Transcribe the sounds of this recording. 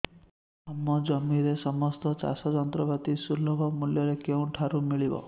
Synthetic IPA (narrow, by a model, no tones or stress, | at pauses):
amːɔd͡ʒʌmiɾesɔmɔst̪ɔt͡ʃa̰sɔd͡ʒɔnt̪ɾɔbat̪isulːɔbʱɔmuljʌɾekew̃ʈʰaɾumiɭibɔ̰